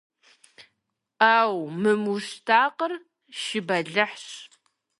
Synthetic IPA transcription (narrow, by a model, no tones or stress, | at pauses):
aːwmɨmuʃtʰaːqər | ʃɪbɐɮɨħɕ